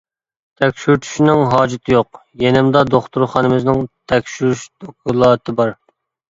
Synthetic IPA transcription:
t̪ʰɛkʲʃyɾt̪ʰy̥ʃinɪŋɦɑːd͡ʒɪt̪ʰɪjoq | jenɪmd̪ɑd̪oχt̪uɾχɑnɨmɪznɪŋt̪ʰɛkʲʃyɾyʃd̪okʰulˠɑːt̪ʰɨbɑɾ

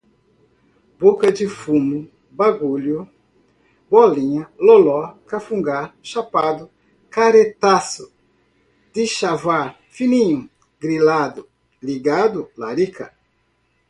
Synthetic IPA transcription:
bokɐd͡ʒɪfũmʊ | baɡuʎʊ | bɔlĩɲɐlolɔkafũŋɡaɾʃapad̪ʊ | kaɾet̪asʊ | d̪̥ɪʃavaɾ | finĩɲʊ | ɡɾilad̪ʊ | liɡad̪ʊlaɾikʰɐ

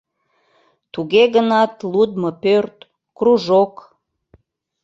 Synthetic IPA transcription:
t̪uɣeɣənɑt̪lud̪məpørt̪ | kruʒok

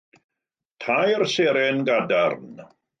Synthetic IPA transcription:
tʰajrseɾɛnɡadarn

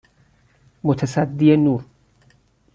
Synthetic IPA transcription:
mot̪ʰesæd̪ːienuːɾ

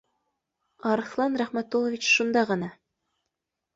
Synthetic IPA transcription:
ɑɾɤ̆θlˠɑnɾæχmæt̪ːolˠɤ̆vʲit͡ɕʃund̪ɑʁɤ̆nɑ

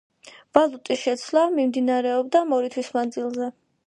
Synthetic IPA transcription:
v̥alˠut̪ʼiʃɛt̪sʰlamimd̪inaɾɛɔb̚d̪amɔɾit̪ʰwismand̪zilˠzɛ

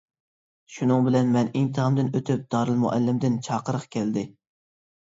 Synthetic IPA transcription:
ʃunɨŋbɪlɛnmɛniŋt̪ʰɨʁəmd̪ɨnøt̪ʰyp̚d̪ɑːɾɨlˠmṵʔɛ̰lːɪmd̪ɪnt͡ʃʰɑːqəɾəχkʲʰɛld̪ɪ

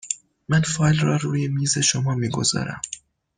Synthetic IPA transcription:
mænfɒːjlrɒːɾuːje̞miːze̞ʃomɒːmiːɡo̞̰zɒ̰ːɾæ̰m

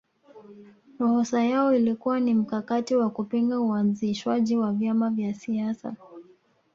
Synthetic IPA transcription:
ɾɔhɔsajaɔilikuwanim̩kakatiwakupiŋɡauanziʃwaʄiwavjamavjasiasa̰

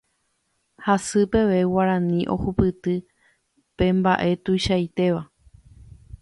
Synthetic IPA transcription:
hasɨpe̞ʋe̞waɾãnĩʔo̞̰hupɨt̪ɨ | pẽ̞mbaʔe̞t̪ujʃajt̪e̞ʋa

